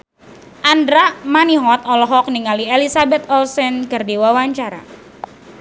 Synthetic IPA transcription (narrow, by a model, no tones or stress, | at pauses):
ʔandɾamaniɦɔt̪ɔlɔɦɔk̚niŋalielisabɛt̪̚ɔlsɛnkɨrdiwawaɲt͡ʃaɾa̰